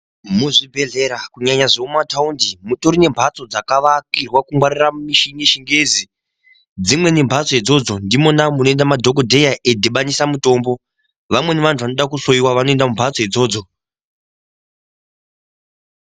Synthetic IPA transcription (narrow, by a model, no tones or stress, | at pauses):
muʐibʱe̞ɮe̞ɾakuɲaɲaʐeumataundimutoɾine̞mbʱat͡so̞d͡zakaʋakirwakumwaɾiramiʃiŋeʃiŋɡeːzi | d͡zimwe̞nembʱat͡soed͡zo̞d͡zo̞ndimo̞namuno̞e̞ndamadʱok̬odʱe̞jaʔedʱeɓanisamuto̞ːmbo̞ | ʋamwe̞neʋantʰuʋanoɗakusoiwaʋano̞e̞ndamumbʱat͡so̞ed͡zo̞ːd͡zo̞